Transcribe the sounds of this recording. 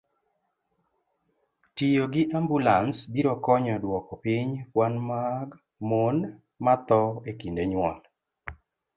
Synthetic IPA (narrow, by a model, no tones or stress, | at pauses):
tijoɡɪʔambulansbiɾokɔɲɔdwɔkɔpiɲpwanmaɡ | mon | mat̪ɔekindeɲwɔ̰n